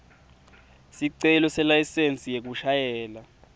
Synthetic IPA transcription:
siǀɛlɔsɛlajsent͡sʼijek̬uʃajɛːla

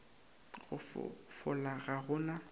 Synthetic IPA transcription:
ɣʊ̰fʊ̰fʊ̰laɣaɣʊːna

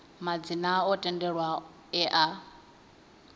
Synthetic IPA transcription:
mad͡zinaɔtʼɛndɛɺwa | ɛʔa

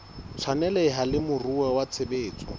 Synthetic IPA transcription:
t͡sʰanɛlɛɪɦalɪmʊruɛwat͡sʰebeːt͡sʼɔ̥

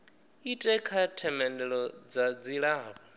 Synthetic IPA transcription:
itʼɛkʰatʰɛmɛndɛɺɔd͡zad͡ziɺaːβa

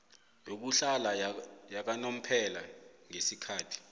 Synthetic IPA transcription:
jok̬uɬalajak̬anom̩pʰɛlaŋesikʰaːtʰi̥

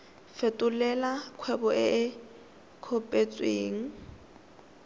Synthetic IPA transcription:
fetʼʊlɛlakʰwɛbɔʔɪʔɪ | kʰɔpʼet͡sʼweːŋ̩

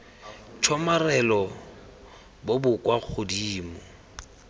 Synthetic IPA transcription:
t͡ʃʰɔmarɛlɔ | bobʊkʼwak͡xʰʊdiːmʊ

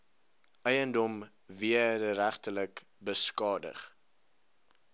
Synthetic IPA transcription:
ʔɛjəndɔm | viədəɾæχtələk | bəskɑːdə̰χ

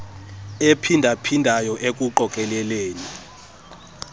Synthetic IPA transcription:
epʰindʱapʰindʱajɔʔek̬ʼuǃɔkʼɛlɛleːni

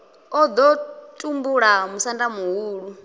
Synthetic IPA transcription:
ɔd̪ɔtʼumbuɺamusandamuɦuːɺu

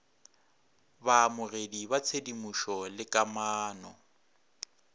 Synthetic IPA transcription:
baːmʊredibat͡sʰedimuʃɔlɪkʼamaːnɔ

